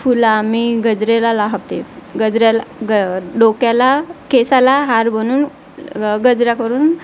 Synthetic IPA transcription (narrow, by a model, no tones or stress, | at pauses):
fulamiɡəd͡zɾelalaɦaʋt̪eɡəd͡zɾalaɖokjalakesalaɦaɾbənuːn | ɡəd͡zɾakəɾuːn